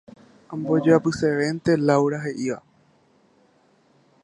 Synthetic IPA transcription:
ãmbod͡ʒeapɨseʋent̪elawɾaɦeʔiʋa

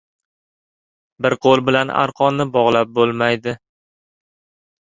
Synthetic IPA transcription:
bɪɾqʰolˠbɪlana̰ɾqʰɒnnːɪbɒʁlˠap̚bolˠmajd̪ɪ

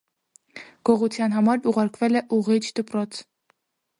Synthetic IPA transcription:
ɡ̥ɔʁut͡sʰjɑnɦɑmɑɾuʁɑɾkʰvɛlɛʔuʁit͡ʃʰd̪̥əpɾɔt͡sʰ

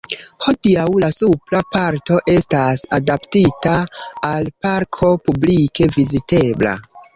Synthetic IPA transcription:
ho̞diawlasuplapaɾto̞ʔe̞stasadaptitaːlpaɾkʰo̞publike̞vizite̞bla̰

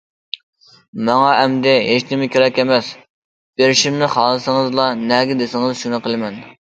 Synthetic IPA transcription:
mɑŋɑʔɛmd̪ɛɦeʃt̪ʰɪmɪkʲʰeɾɛkʲɛmɛs | b̥eɾɪʃimnɪχɑːlˠɨsɨŋɨzlˠɑnɛɡʲɪd̪esɪŋɨzʃunɨqʰəlˠɪmɛn

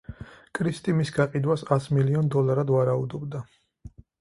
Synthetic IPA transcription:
kʼɾist̪ʼimisɡaqʼid̪wasasmiliɔnd̪ɔlaɾad̪vaɾaud̪ɔbd̪a

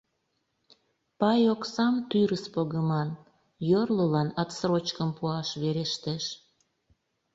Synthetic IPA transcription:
pɑjoksɑmt̪yɾəspoɣəmɑn | jorləlɑnɑt̪srot͡ɕkəmpuɑʃβeɾeʃt̪eʃ

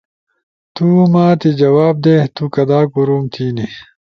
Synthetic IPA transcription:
t̪umaːt̪id͡ʑɐwaːb̚d̪et̪ukɐd̪aːkuɾuːmt̪ʰiːni

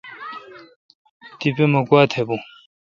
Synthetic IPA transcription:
t̪ipemɐkwaːt̪ʰebũ

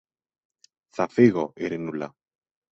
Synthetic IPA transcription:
θafeɣoʔeɾenula̰

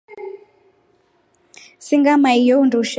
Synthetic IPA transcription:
siŋɡamaijɔunduʃ

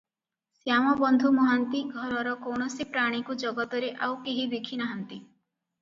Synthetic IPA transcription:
sjamɔbɔnd̪ʱumɔɦant̪iɡʱɔɾɔɾɔkɔwɽ̃ɔsipɾaɽ̃ikud͡ʒɔɡɔt̪ɔɾeʔawkeɦib̪ekʰinaɦɔnt̪i

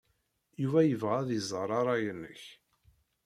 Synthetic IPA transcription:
juvæjəvʁaðizˤəɾˤɑɾˤɑjənːə̰ç

